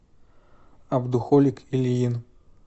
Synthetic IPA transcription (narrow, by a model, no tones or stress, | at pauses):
abd̪uxɔlʲikʰilʲjin